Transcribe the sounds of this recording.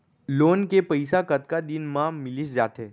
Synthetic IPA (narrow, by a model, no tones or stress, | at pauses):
loːnkepɐɪsakɐt̪kad̪ɪnmãmɪlisd͡ʒaːt̪ɦɛː